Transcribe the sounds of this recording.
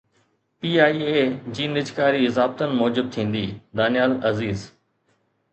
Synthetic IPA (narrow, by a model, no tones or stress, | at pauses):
piːaːiːeːd͡ʑiːnɪd͡ʑkaːɾiɪzaːb̚t̪ənɪ̆mɔːd͡ʑɪb̚t̪ʰĩːn̆d̪iːd̪aːnijaːlɐziːz